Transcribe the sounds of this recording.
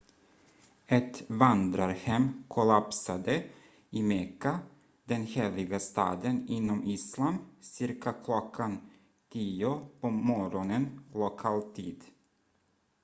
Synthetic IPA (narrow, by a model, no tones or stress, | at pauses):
ɛt̪vand̪ɾaɾhɛmːkʰʊlapsad̪ə | ɪmɛkːa | d̪ɛnheːlɪɡast̪ɑ̰ːd̪ənɪnːɔmiːslamsɪɾkʰakʰlɔkʰːan | t̪ʰiːʊpʰɔmɔɾɔnənlʊkʰɑːlt̪ʰḭːd̪